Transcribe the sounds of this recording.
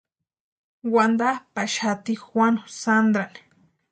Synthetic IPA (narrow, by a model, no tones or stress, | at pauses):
wand̪apaʃat̪ixwanosand̪ɾan